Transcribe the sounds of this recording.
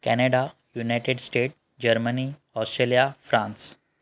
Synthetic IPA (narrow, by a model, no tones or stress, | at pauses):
kɛneɽa | junajʈeɖsʈeʈ̚ | d͡ʑəɾməni | ɔsʈɾelijafɾãns